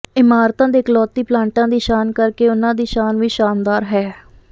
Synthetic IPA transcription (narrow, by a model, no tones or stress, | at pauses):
ɪmaːɾt̪ãːd̪eːkəlɔːt̪ːiːplãːɳʈãːd̪iːʃaːnkəɾkeːʊnãːd̪iːʃaːnʋiːʃaːnd̪aːɾɦɛː